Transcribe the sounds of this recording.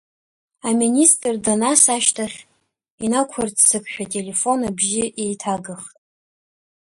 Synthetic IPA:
aministʼrdanasaʃtʰaχʲ | inakʷʰart͡sʰsɨkʷʼʰʃᶣatʼe̞le̞fo̞nabʒɪʔejtʰaɡɨχtʼ

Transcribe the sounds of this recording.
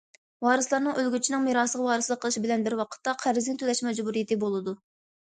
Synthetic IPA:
wɑːɾɨslˠɑɾnɨŋølɡʲyt͡ʃʰinɪŋmiɾɑːslˠəʁwɑːɾɨslˠəqʰːəlˠɨʃbɪlɛnbɪɾwɑqʰə̥t̪ːɑqʰæɾɪzɡʲɪt̪ʰølɛʃmɛd͡ʒbuɾijet̪ɨbolˠɨd̪u

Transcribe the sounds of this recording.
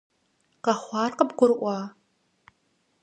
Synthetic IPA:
qɐχʷɑːrqəbqʷʊrʔʷɑː

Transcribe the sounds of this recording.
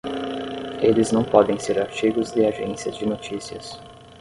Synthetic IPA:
elɪznɐ̃w̃pɔd̪ẽj̃seɾaɾt͡ʃiɡʊzd̪ɪaʒḛ̃siɐzd͡ʒɪnot͡ʃisiɐ̰s

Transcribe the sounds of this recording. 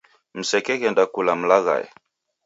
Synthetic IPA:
m̩sɛkɛɣɛndakulam̩laɣa̰jɛ̰

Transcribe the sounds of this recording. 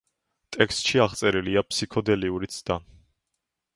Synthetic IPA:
t̪ʼɛkst̪ʼʃiaʁt̪sʼɛɾiliapʰsikʰɔd̪ɛliuɾit̪sʰd̪̥a

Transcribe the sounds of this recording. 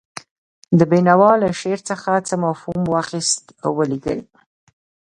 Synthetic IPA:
d̪əbenawɑləʃeɾt͡səxat͡səmafhumwɑxist̪awəliɡə̰j

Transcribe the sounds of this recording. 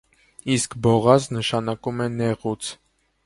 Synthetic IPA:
iskbɔʁɑznəʃɑnɑkumɛnɛʁut͡sʰ

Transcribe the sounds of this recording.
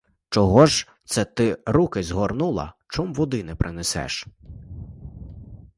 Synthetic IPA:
t͡ʃɔɦɔʒ | t̪sɛt̪ɪɾukɪzɦɔrnulˠɐ̰t͡ʃɔmʋɔd̪ɪnɛpɾʔɪnesɛ̰ʃ

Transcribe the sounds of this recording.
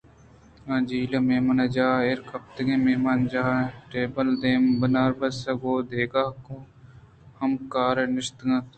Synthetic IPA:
ãːd͡ʒiːlɐmemɐnɐd͡ʒaːeɾkɐp̚t̪ɐɡememand͡ʒaːʈeːbəld̪eːmbɐnaːɾbɐsɐɡoːd̪eːɡaːko | hɐmkaːɾɐnɪʃt̪ɡɐt̪

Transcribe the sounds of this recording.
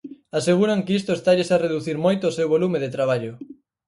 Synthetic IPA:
aseɣ̞uɾaŋkɪist̪ʊest̪aʎesareðuθiɾmojt̪ʊːsewβolumɪðet̪ɾaβ̞aʎʊ

